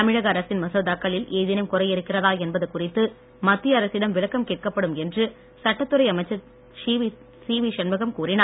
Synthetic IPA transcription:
ɐmɪɻɐɣɐɐɾɐsɪnmɐsoːðaːkːɐɭɪleːðɪnɐmkʊrɐɪjɪɾɯkːɪrɐðaːɛnbɐðɯkʊrɪt̪ːɯ | mɐt̪ːɪjɐɐɾɐsɪɽɐmʋɪɭɐkːɐmkeːʈ̚kɐpːɐɽɯmɛndrɯ | sɐʈːɐt̪ːɯrɐɪɐmɐɪt͡ʃːɐ | siːʋiʂɐnmɐɣɐmkuːrɪnaː

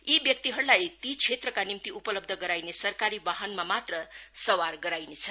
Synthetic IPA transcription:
ibjʌk̚t̪iɦʌɾlajt̪it͡sʰet̪rʌkanimt̪iupʌlʌb̚d̪ʱʌɡʌɾajnesʌrkaɾibaɦʌnmamat̪rʌsʌwarɡʌɾajnet͡sʰʌ

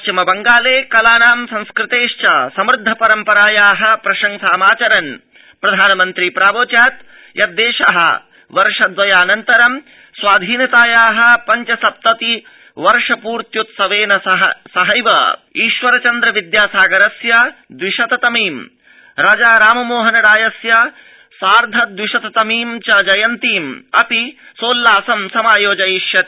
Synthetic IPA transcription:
t͡ʃimɐbɐŋɡaːleːkɐlaːnaːmsɐ̃nskɾɪt̪eːʂt͡ʃɐsɐmɾɪd̪ʱːɐpɐɾɐmpɐɾaːjaːɦɐ̆pɾɐʃɐŋsaːmaːt͡ʃɐɾɐn | pɾɐd̪ʱaːnɐmɐnt̪ɾipɾaːʋoːt͡ʃaːt̪ | jʔɐt̪̚d̪eːʃɐɦɐ̰ | ʋɐɾʂɐd̪ʋɐjaːnɐnt̪ɐɾɐm | sʋaːd̪ʱiːnɐt̪aːjaːɦɐ̆pɐɲt͡ʃɐsɐp̚t̪ɐt̪i | ʋɐɾʂɐpuːɾt̪jut̪sɐʋeːnɐɦsɐɦɐjʋɐ̰iːʃʋɐɾɐt͡ʃɐnd̪ɾɐʋid̪jaːsaːɡɐɾɐsjɐd̪wiʃɐt̪ɐt̪ɐmiːm | ɾaːd͡ʒaːɾaːmɐmoːɦɐnɐɽaːjɐsjɐ | saːɾd̪ʱɐt̪̚d̪ʋiʃɐt̪ɐt̪ɐmiːmt͡ʃɐd͡ʒɐjɐnt̪iːmɐ̰pisoːlːaːsɐmsɐmaːjoːd͡ʒɐjiʃjɐ

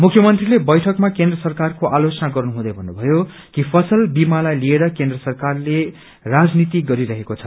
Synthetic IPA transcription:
mukʰjʌmʌnt̪rilebʌjʈʰʌkmakend̪rʌsʌrkarkoʔalot͡sʌnaɡʌrnuɦũd̪ʌjbʱʌnːubʱʌjo | kipʰʌsʌlbimalajlieɾʌkend̪rʌsʌrkarle | rad͡znit̪iɡʌɾiɾʌɦekot͡sʰʌ̥

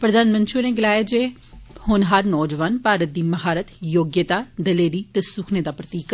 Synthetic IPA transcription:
pɾəd̪aːnmə̃nt̪ʃioneːɡɪlaːjeːd͡ʒeː | hʊnɦəɾnɔːd͡ʒʋaːnpaːɾət̪̚d̪iːməɦaːɾət̪joːɡjət̪aːd̪əleːɾiːt̪esʊkʰneːd̪aːpɾət̪iːk

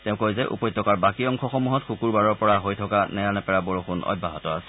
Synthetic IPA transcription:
tɛʊ̃kojzɛʔṵpɔjtːɔkaɹbakiɔŋkʰɔxɔmuɦɔtxukuɹbaɹɔɹpɔɹaɦojtʰɔkanɛjanɛpɛɹabɔɹoxʰunʔɔ̰bʱːa̰ɦɔtɔasɛ̥

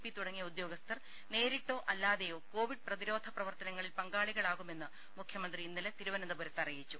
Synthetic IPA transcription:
pːit̪uɽɐŋːijɐud̪jo̞ːɡɐst̪ʰɐr | ne̞ːɾiʈːo̞ːʔɐlːaːðejoːkoːʋiɖ̚prɐðiɾo̞ːd̪ʱɐprɐʋɐrt̪ɐnɐŋːɐɭilpɐŋɡaːɭiɣɐɭaːɣume̞nːɨ | mukʰjɐmɐnd̪riːnːilet̪iɾuʋɐnɐnd̪ɐbʱuɾɐt̪ːɐrijit͡ɕːu

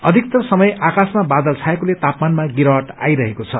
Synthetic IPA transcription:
ʌd̪ʱik̚t̪ʌsʌmʌjakasmabad̪ʌlt͡sʰaekolet̪apmanmaɡiɾʌʌʈa̰jɾʌɦekot͡sʰʌ

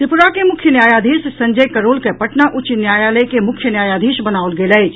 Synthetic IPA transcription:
t̪ɪpʊɾakemʊkʰjənjaːjaːd̪ʱiːʃsɐ̃ɲd͡ʒəjkɐɾoːlkepɐʈnaʔʊt͡ʃinjaːjaːləjkemʊkʰjənjaːjaːd̪ʱiːʃbɐnaːolɡeləɪd͡ʒ

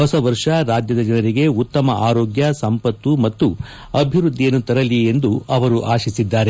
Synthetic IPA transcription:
ɦɔsɐʋɐɾʂɐɾaːd͡ʒjɐd̪ɐd͡ʒɐnɐɾiɡe̞ut̪ːɐmɐʔaːɾoːɡjɐsɐmpɐt̪ːumɐt̪ːu | ɐbʱiʋɾud̪ʱːijɐnːut̪ɐɾɐlie̞nd̪uʔɐʋɐɾuʔaːʃisid̪ːaːɾe̞

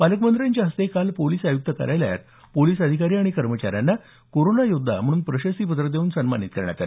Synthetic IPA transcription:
paləkmənd̪ɾjaɲt͡ɕaɦəst̪ekalpoliːsajuk̚t̪əkə̰ɾajlja̰t̪̚ | poliːsəd̪ʱikaɾiaɽ̃ikəɾmət͡ɕaɾjanːa | koɾonajod̪ʱːa̰m̤əɽ̃uːnpɾəɕəsiːpət̪ɾəd̪euːnsənmanit̪̚kəɾɳ̃ja̰t̪alḛ

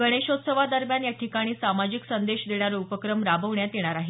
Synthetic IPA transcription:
ɡəɽ̃eɕot̪səʋad̪əɾmjanjaʈʰikaɽ̃iːsamad͡ʑiksənd̪eɕd̪eɳjaɾeupəkɾəmɾabəʋɳjat̪eɽ̃aɾaɦe

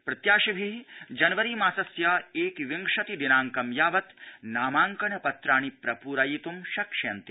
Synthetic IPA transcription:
pɾɐt̪jaːʃibʱid͡ʒɐnʋɐɾiːmaːsɐsjaːeːkʋiŋkʂɐt̪id̪inaːŋkɐmjaːʋɐt̪naːmaːŋkɐɳɐpɐt̪ɾaːɳ̃ipɾɐpuːɾajit̪umʃɐkʂeːnt̪i̥

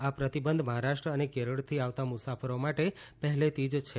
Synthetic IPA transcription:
apɾət̪ibənd̪ʱməɦaɾaʃʈɾəənekeɾəɽt̪ʰiaʋt̪amusafəɾomaʈepəɦɛlet̪id͡ʒt͡ʃʰe

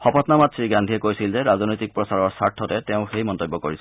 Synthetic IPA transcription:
xɔpɔtnamatsɹiɡandʱijɛkojsilzɛɹaznojtik̚pɹɔsaɹɔɹsaɹtʰːɔtɛtɛʊ̃xejmɔntobːɔkoɹis

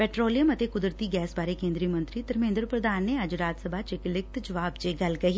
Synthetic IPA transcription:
pɛːʈɾoːlijəmət̪eːkʊd̪ɾət̪iːɡɛːsbaːɾekẽːnd̪ɾiːmə̃nt̪ɾiːd̪əɾmẽːnd̪ɾpɾəd̪aːnːeɐd͡ʒɾaːd͡ʒsəbʱaːt͡ʃɪklɪk̚t̪d͡ʒəʋaːbt͡ʃeːɡɐlkəɦiː

